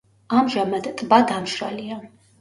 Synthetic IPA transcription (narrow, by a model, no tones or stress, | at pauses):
amʒamad̪t̪ʼbad̪amʃɾalia